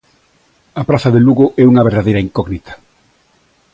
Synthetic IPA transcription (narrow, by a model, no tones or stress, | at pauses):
ɐpɾaθɐðeluɣoʔɛuŋɐβeɾðaðejɾɐiŋkɔɣnit̪ʰɐ̥